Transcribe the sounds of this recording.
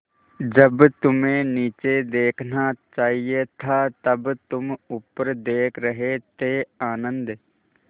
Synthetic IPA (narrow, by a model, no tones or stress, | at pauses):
d͡ʒəbt̪ʊmẽniːt͡ʃed̪eːkʰnat͡ʃaːɦiet̪ʰat̪ɐbt̪ʊmʊpːəɾd̪eːkʰɾəɦet̪eaːnə̃nd̪